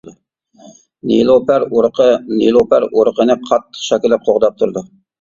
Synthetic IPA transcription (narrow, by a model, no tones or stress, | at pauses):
nilˠopæɾɾqʰənilˠopæɾoɾqʰənɨqʰɑt̪ʰːə̥χʃɑkʲɪlːɛp̚qʰoʁd̪ɑp̚t̪ʰuɾd̪u